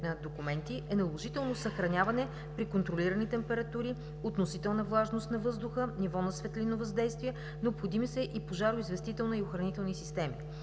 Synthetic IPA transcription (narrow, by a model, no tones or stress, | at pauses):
nɐd̪okumɛnt̪iʔɛnɐlˠoʒit̪ɛlˠnosɐxɾɐnʲavɐnɛ | pɾikont̪ɾoliɾənit̪ɛmpɛɾɐt̪uɾi | ot̪nosit̪ɛlˠnɐvlˠaʒnost̪nɐvɤzd̪ʊxənivɔnɐsvɛt̪lʲinovɐzd̪ɛjst̪viɛ | nɛopxod̪imisəʔipoʒaɾʊizvɛst̪it̪ɛlˠnɐioxɾɐnit̪ɛlˠnisist̪ɛmi